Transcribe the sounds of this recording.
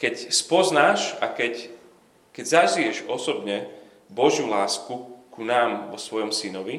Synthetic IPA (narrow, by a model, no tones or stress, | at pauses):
kɛcspɔznaːʃakɛc | kɛɟzaʒijɛʒɔsɔbɲɛ | bɔʒjulaːskukunaːmʋɔsʋɔjɔmsinɔʋi